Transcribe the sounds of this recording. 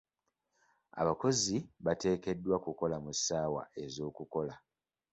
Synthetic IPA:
a̰βako̞ziβate̞ːke̞dːwakuko̞lamusaːwa̰e̞zo̞ːkuko̞la

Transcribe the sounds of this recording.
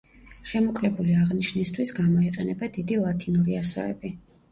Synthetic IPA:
ʃɛmɔkʼlɛbuliaʁniʃnist̪ʰwisɡamɔiqʼɛnɛbad̪id̪ilˠat̪ʰinuɾiasɔ̰ɛ̰bi

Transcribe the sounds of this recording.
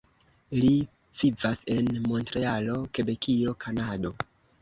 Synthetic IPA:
li | v̥ivase̞nmo̞ntɾealo̞ke̞be̞kʰilo̞kʰanado̞

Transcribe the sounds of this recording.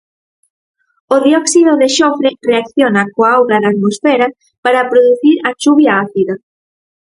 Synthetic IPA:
ʊðjɔksiðoðeʃofɾereakθjonakoaawɣɾaðat̪mosfɛɾa | paɾapɾoðuθiɾat͡ʃuβjaaθiða

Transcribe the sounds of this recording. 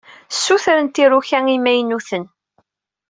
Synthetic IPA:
sːuθɾənt̪iruçæŋimæjnuθən

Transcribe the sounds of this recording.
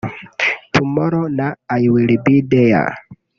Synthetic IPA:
tʰumoɾɔnaːjwilbidɛja̰

